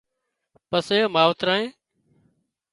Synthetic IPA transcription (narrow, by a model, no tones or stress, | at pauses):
pəseːoːmaːʋt̪ɾaːɦẽː